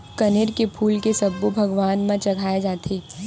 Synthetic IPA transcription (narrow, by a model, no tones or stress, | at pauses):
kɐnɪɾkepʰuːlkesɐbːubʱɐɡʋaːnmãt͡ʃɐɡʱaːed͡ʒaːt̪ʰeː